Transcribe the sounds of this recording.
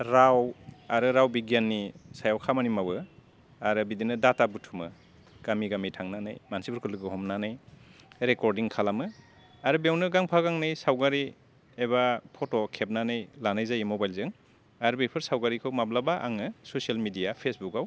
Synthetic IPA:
ɾawaɾɯɾawbiɡjanːisajawkʰamanimawɯ | aɾɯbidinɯdatabutʰumɯ̰ | ɡ̥amiɡamitʰaŋnanɯ̰jmansibʰɯɾkʰɯlɯɡɯɦɔmnanɯjɾekɔɾdiŋkʰalamɯ | aɾɯbjawnɯɡaŋpʰaɡaŋnɯjsawɡaɾi | eβapʰotokʰep̚nanɯjlanajzajimɔbajlzɯŋ | aɾɯbepʰɯɾsawɡaɾikʰɯwmablabaʔa̰ŋɯsosialmidijapʰesbukaw

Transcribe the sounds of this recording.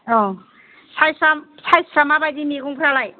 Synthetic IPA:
ɔ | sʰajsɾamsʰajsɾamabajzimiɡuŋpʰɯɾalaj

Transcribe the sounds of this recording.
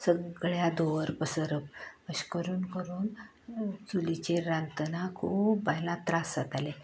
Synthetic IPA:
səɡɭjad̪oʋəɾpəsəɾəp̚əɕkəɾuːnkəɾuːn | t͡sulit͡ɕeɾant̪ənakʰuːpbajlãt̪ɾasat̪ale

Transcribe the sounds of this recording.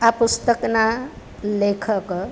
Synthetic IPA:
apust̪əkna | lekʰək

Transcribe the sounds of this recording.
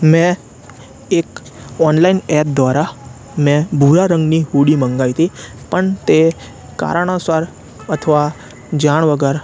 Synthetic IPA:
mɛ̃ | ek | ɔnlainɛp̚d̪ʋaɾa | mɛ̃bʱuɾaɾə̃ŋɡniɦuɽimə̃ŋɡajt̪i | pəɳt̪e | ka̰ɾaɳ̃asaɾ | ət̪ʰəʋa | d͡ʒaɳ̃ʋəɡəɾ

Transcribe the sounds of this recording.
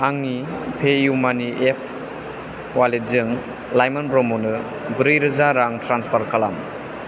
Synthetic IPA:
aŋnipʰejumaniʔepʰ | walezɯŋ | lajmanpɾɔmɔnɯ | bɾɯjɾɯzaɾaŋtɾanspʰaɾkʰalam

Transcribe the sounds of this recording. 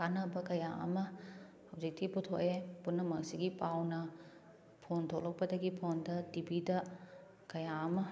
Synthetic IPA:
kanɐbɐkɐjaʔɐ̰mɐ | hɐwd͡ʒik̚tiputʰo̰ʔepunːɐmɐŋsiɡipawnɐ | pʰontʰolɔk̚pɐdɐɡipʰondɐtibidɐ | kɐjaɐmɐ

